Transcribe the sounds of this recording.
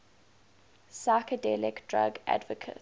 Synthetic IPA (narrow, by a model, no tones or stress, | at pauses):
saɪkədɛlɪkd̥ɹa̰ɡæ̰dvəkʰə̰